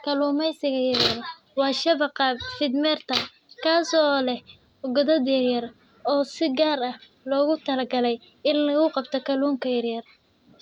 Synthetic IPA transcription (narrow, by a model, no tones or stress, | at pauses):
kʰɐluːmɛjsɪɣɐjɐrjɐr | wɑːʃɐβɐqɑfɪd̪mɛrt̪ʰɐ | kʰaːsɔlɛh | ʊɡɐðɐd̪jɐrjɐr | ɔːsɪɡaːɾɐh | lɔːɣʊt̪ʰɐlɐɡɐlɛj | ɪnlɐɣʊqɑbt̪ʰɔkʰɐluːŋkʰɐjɐrjɐr